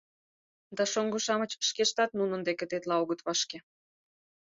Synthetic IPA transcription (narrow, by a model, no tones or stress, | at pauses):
d̪ɑʃoŋɡoʃɑmət͡ɕʃkeʃt̪ɑt̪̚nunə̆nd̪eket̪et̪lɑoɣət̪βɑʃke